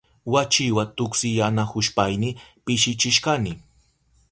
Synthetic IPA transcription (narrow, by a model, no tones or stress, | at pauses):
wat͡ʃɪwat̪ʊksɪjanahʊʃpajnɪpɪʃɪt͡ʃɪʃkanɪ